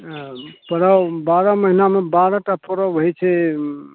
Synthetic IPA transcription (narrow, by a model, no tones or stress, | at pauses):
pəɾawbaɾaməɦinamebaɾaʈapəɾawɦojt͡ʃʰɛ